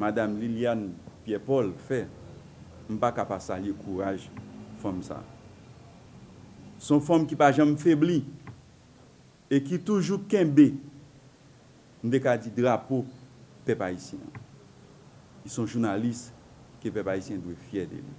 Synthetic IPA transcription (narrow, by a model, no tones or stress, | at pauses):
madamliljanpjɛpɔlfɛ | m̩pakapasaljekʰuʁaʒfɔ̃msa̰ | sɔ̃fɔ̃mkipaʒãmfebli | ekit̪uʒukɛ̃be | n̩t̪ekad͡zidʁapopɛpaisjɛ̰̃ã̰ | isɔ̃ʒunalis | kepɛpaisjɛ̃dwɛfjɛdḛlḭ